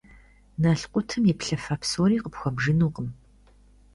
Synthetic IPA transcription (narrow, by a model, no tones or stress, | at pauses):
naːɬqʷʼʊtʰɨmjɪpɬɐfaːpsoːɾiːqəpxʷɔbʒɨnuːqəm